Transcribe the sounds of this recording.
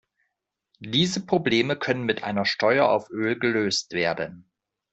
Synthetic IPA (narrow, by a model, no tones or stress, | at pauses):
d̥iːzəpʁ̥obleːməkʰœnənmɪtʔa̰ɪnɐʃtɔʏɐʔa̰ʊfʔøːlɡəløːstv̥eːɐdən